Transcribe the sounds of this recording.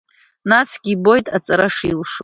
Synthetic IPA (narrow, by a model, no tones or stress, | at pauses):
nasɡʲibo̞jtʼat͡sʼaɾaʂilʂo